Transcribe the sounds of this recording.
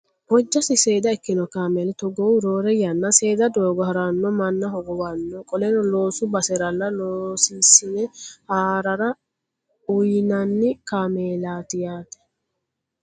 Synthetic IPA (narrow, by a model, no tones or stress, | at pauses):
b̥ɔd͡ʒːɐsɪseːd̪ɐɛkːɪnɔkaːmeːlɛt̪ɔɡoɾoːɾɛjɐnːɐse̞ːd̪ɐd̪oːɡɔhɐɾɐnːɔmɐnːɐhɔɡɔwɐnːɔkʼɔlɛnɔloːsʊbɐsɛɾɐlɐloːsiːsɪnɛhaːɾɐɾɐ | ʊjnɐnːɪkameːlaːt̪ɪjaːt̪ɛ̥